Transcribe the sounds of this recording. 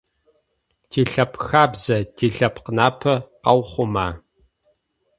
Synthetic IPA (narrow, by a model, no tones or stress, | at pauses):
tʰiːɬɐpʰxaːbzɐtʰiːɬɐpʰqənaːpʰɐqɐwχʷʊmaː